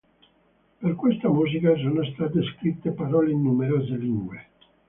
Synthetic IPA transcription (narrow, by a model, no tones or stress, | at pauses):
perkwest̪amuːzikas̬oːnost̪at̪eskɾit̪ːepaɾɔːleinːumeɾoːzeliŋɡwe